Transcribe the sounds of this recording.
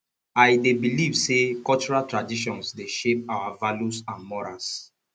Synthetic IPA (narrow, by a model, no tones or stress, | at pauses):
ajdebilivsekɔlt͡ʃuɹaltɹadiʃ̬ɔ̃nsdeʃep̚awavaljusãnmɔɹa̰ls